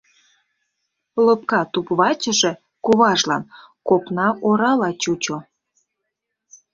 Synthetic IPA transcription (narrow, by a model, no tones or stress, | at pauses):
ləp̚kɑt̪upβɑt͡ɕə̆ʒĕ | kuβɑʒlɑn | kopnɑʔoɾɑlɑt͡ɕut͡ɕo